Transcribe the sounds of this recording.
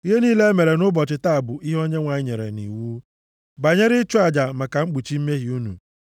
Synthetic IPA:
i˦ɦe˦niː˦le˦me˨ɾe˨nʊ˦bɔ˨t͡ʃɪ˨ta˦a˨bʊ˨ʔi˦ɦo˦ɲe˦ŋʷa˨ɲɪ˦ɲe˨ɾḛ˨nḭ˨wu˦ | ba˨ɲe˦ɾɪ˦t͡ʃʊ˦a˨d͡ʒa˨ma˨ka˨ŋ͡m̩˦ɡ͡bu˨t͡ʃi˦m̩˦me˦ɦi˨u˦nṵ˨

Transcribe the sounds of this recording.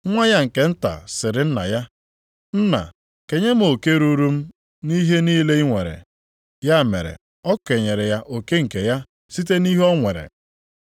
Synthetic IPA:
ŋʷa˦ja˦ŋ̩˨ke˨n̩˦ta̰˨sɪ˨ɾɪ˦n̩˦na̰˨ja˦ | n̩˦na̰˨ | ke˨ɲe˦m̩˦o˨ke˦ɾu˦ɾu˦m̩˦ | ni˦ɦe˦niː˦le˦i˦ŋʷe˨ɾḛ˨ | ja˦˨mḛ˨ɾḛ˨ | ɔ˦kʷe˨ɲe˨ɾe˨ja˦ʔo˨ke˦ŋ̩˨ke˨ja˦ | si˦te˦ni˦ɦɔ˦ŋʷe˨ɾḛ˨

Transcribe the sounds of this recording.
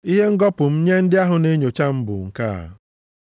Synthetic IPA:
i˦ɦe˦ŋ̩˦ɡɔ˦pʊ˨m̩˦ɲe˦n̩˦dɪ˦a˦ɦʊ˨ne˦ɲo˨t͡ʃa˦m̩˦bʊ̰˨ŋ̩˨ka̰˦˨a̰˨

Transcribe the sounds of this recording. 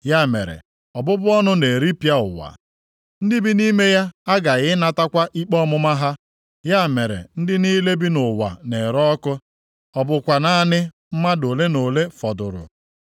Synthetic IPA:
ja˦˨mḛ˨ɾḛ˨ | ɔ˨bʊ˦bʊ˦ɔ˦nʊ˦ne˨ɾi˦pja˦ʊ̰˨wa̰˨ | n̩˦dɪ˦bi˦ni˦me˦ja˦a˦ɡa˨ɣɪ˦na˦ta˦kʷa˦ʔi˦k͡pɔ˦mʊ˦ma˦ɦa˦ | ja˦˨me˨ɾḛ˨n̩˦dɪ˦ni˦le˦bi˦nʊ˨wa̰˨ne˨ɾɔ˦kʊ˦ | ɔ˨bʊ˨kʷa˨na˦nɪ˦ | m̩˦ma˦do˨le˦no˨le˦fɔ˨dʊ˨ɾʊ̰˨

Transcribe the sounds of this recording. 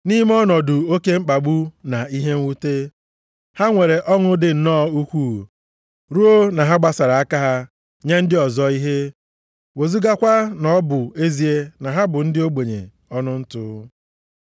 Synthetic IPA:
ni˦m˦ɔ˦nɔ˨dʊ˨o˦ke˦ŋ͡m̩˦k͡pa˨ɡ͡bu˦na˨i˦ɦe˦ŋ̩˦wu˦te˦ | ha˦ŋʷe˨ɾe˨ʔɔ˦ŋʊ˦dɪ˦˨n̩˨nɔː˦u˦kʷu˦˨ | ɾu˦o˦na˨ɦa˦ɡ͡ba˦sa˨ɾa˨a˦ka˦ɦa˦ | ɲe˦n̩˦dɪ˦ɔ˨zɔ˦i˦ɦe˦ | wo˨zu˦ɡa˦kʷa˦nɔ˨˦bʊ˨e˦zi˨e˦na˨ɦa˦bʊ˨n̩˦dɪ˦o˦ɡ͡be˨ɲḛ˨ | ɔ˦nʊ˦n̩˦tʊ˦

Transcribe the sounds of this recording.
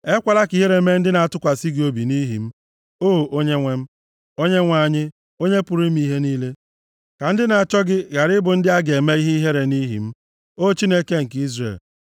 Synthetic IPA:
e˦kʷa˨la˦ki˨ɦe˦ɾe˨˦me˦n̩˦dɪ˦na˨a˨tʊ˦kʷa˨si˦ɡɪ˨o˦bi˨ni˦ɦḭ˨m̩˦ | o˦˨ʔo˦ɲe˦ŋʷe˦m̩˦ | o˦ɲe˦ŋʷa˨ɲɪ˦ | o˦ɲe˦pʊ˨ɾi˦m˦i˦ɦe˦niː˦le˦ | ka˨n̩˦dɪ˦na˨a˨t͡ʃɔ˦ɡɪ˦ɣa˨ɾɪ˦bʊ˨n̩˦dɪ˦a˦ɡe˨me˦i˦ɦe˦i˦ɦe˦ɾe˨ni˦ɦḭ˨m̩˦ | o˦t͡ʃi˦ne˦ke˦ŋ̩˨ki˦zrḛ˨l

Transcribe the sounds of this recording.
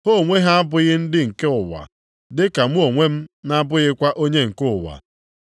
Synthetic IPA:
ho˦˨ŋʷe˦ɦa˦a˦bʊ˦ɣɪ˦n̩˦dɪ˦ŋ̩˨ke˦ʊ˨wa̰˨ | dɪ˦ka˨m˦o˨ŋʷe˦m̩˦na˦bʊ˦ɣɪ˦kʷa˦ʔo˦ɲe˦ŋ̩˨kʊ˦˨wa̰˨

